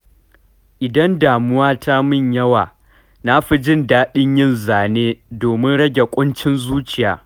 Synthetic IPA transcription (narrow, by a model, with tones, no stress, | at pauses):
ʔɪ˨dɐ˦ndaː˨mʊ˦waː˦tʰa˦mɪ˦˨ɲjɐ˦waː˨ | na˦ɸi˦d͡ʒɪ˦ndaː˦ɓɪ˦ɲjɪ˦nzaː˨neː˦doː˨mɪ˦nɽɐ˦ɡʲe˨kʷʼʊ˦nt͡ʃɪ˦nzuː˦t͡ʃɪ˨jaː˨